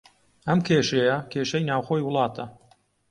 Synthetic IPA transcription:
ɐmkʰeːʃɐjɐkʰeːʃɐjnaːwxojwʊlˠɑːt̪ʰɐ

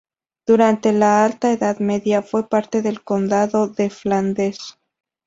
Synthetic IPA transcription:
d̪̥uɾant̪e̞laalt̪aeðaðme̞ðjafwe̞paɾt̪e̞ðe̞lko̞nd̪aðo̞ðe̞fland̪e̞s

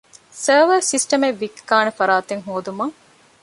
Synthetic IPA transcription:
sɐːʋɐɾsisʈɐmeʋːikːaːnɐfɐɾaːt̪eŋɦoːd̪umɐŋ

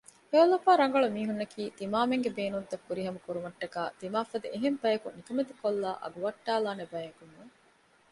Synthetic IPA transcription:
eolːɐfaːɾɐŋ̆ɡɐɭumiːɦunːɐkʰiːt̪imaːmeŋɡebeːnud̪ːɐkːuɾiɦɐmɐkuɾumɐʈːɐkaːt̪imaːfɐd̪eeɦembɐjɐkunikɐmed̪ekolːaːʔɐ̰ɡuʋɐʈːaːlaːnebɐjeŋkunːuŋ

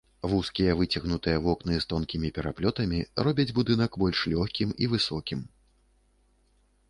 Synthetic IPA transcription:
vuskʲijɐvɨt͡sʲɐɣnut̪ɨjɐvɔknɨst̪ɔnkʲimʲipʲɛɾaplʲɔt̪ɐmʲirɔbʲɐd͡zʲbud̪ɨnɐkbɔlʲʂlʲɔxʲkʲimivɨsɔkʲim

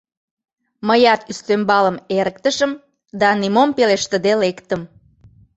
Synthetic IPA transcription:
məjɑt̪yst̪ømbɑləmeɾək̚t̪əʃəm | d̪ɑnimompeleʃt̪əd̪elekt̪əm

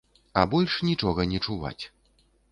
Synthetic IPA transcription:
ɐbɔlʲʂnʲit͡ʂɔɣɐnʲɛt͡ʂuva̰t͡sʲ

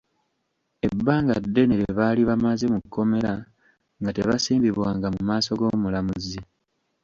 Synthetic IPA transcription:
e̞bːaːŋɡadːe̞neɾeβaːliβamaze̞mukːo̞me̞ɾa | ŋɡateβasiːmbiβwaːŋɡamumaːso̞ɡo̞ːmulamuzi

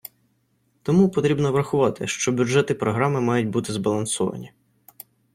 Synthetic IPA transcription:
t̪ɔmupɔt̪ɾʲibnɔʋɾɐxʊʋɑt̪ɪ̰ʃt͡ʃɔbʲʊʒɛt̪ɪpɾɔɦɾɑmɪmɑjʊt̚ʲbut̪ɪzbɐlˠɐnsɔʋɐ̰nʲi

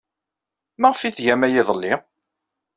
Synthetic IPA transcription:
mæʁfiθʝæmæjɪðˤəlːi

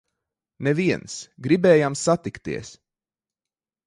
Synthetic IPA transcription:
nɛviɛnsɡɾibɛːjamsat̪ikt̪ḭəs

